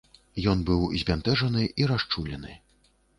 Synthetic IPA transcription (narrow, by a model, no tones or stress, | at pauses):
jɔnbɨwzʲbʲant̪ɛʐɐnɨiɾast͡ʂulʲɛnɨ